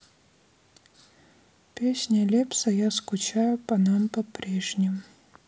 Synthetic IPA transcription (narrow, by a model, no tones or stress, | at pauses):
pʲesʲnʲɐlʲepsɐjaskʊt͡ɕajʊpɐnampɐpɾʲeʐnʲɪm